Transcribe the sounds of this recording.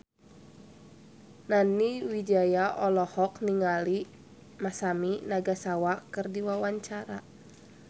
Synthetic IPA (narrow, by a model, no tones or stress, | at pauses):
naniwid͡ʒajaʔɔlɔhɔkniŋali | masaminaɡasawakɨrdiwawaɲt͡ʃaɾa